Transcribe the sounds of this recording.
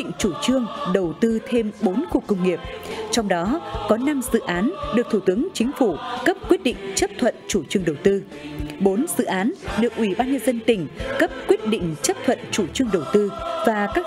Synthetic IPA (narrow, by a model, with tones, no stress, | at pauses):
ŋ̟t͡ɕu˧˩t͡ɕɨ˧əŋɗə˨˩wt̪ɨ˧t̪ʰe˧mɓo˨˦nku˨˩əkːə˧wŋ͡mŋːi˨˩əp̚t͡ɕɔ˧wŋ͡mɗɔ˨˦kɔ˨˦na˧mzɨ̰˧˨ʔaː˨˦nɗɨ˨˩k̚t̪ʰu˧˩t̪ɨ˨˦əŋt͡ɕï˨˦ŋ̟fu˧˩kə˦˥p̚kwi˦˥ət̚ɗḭ̈˧˨ŋ̟t͡ɕə˦˥p̚t̪ʰwə̰˧˨nt͡ɕu˧˩t͡ɕɨ˧əŋɗə˨˩wt̪ɨ˧ | ɓo˨˦nzɨ̰˧˨ʔaː˨˦nɗɨ˨˩ək̚ʔwi˧˩ɓaː˧nɲə˧nzə˧nt̪ï˧˩ŋ̟kə˦˥p̚kwi˦˥ət̚ɗḭ˧˨ŋ̟t͡ɕə˦˥p̚t̪ʰwə̰˧˨nt͡ɕu˧˩t͡ɕɨ˧əŋɗə˨˩wt̪ɨ˧vaː˨˩kaː˦˥